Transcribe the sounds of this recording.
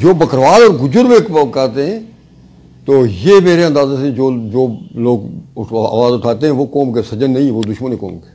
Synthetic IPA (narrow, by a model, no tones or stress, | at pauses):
d͡ʒoːbəkɾʋaːlɔːɾɡʊd͡ʒəɾbeːkkaːt̪eɦɛ̃ː | t̪oːjeːmeːɾeɐ̃nd̪aːzeːsẽd͡ʒoːd͡ʒoːloːɡa̰ːʋaːzʊʈʰaːt̪eɦɛ̃ːʋoːkɔːmkesəd͡ʒənːəɦĩɛ̃ʋoːd̪ʊʃməniːko̰ːmkeː